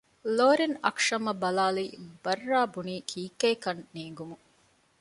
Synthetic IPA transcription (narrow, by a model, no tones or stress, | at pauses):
loːɾinɐ̰kʂɐmɐbɐlaːlibɐrːaːbuniːkʰiːkeːkɐnːeːŋɡumu